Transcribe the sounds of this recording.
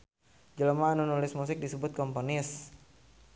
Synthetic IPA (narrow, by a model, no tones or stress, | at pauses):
d͡ʒələmaːnunulɪsmusɪk̚disəbʊt̪̚kɔmponɪs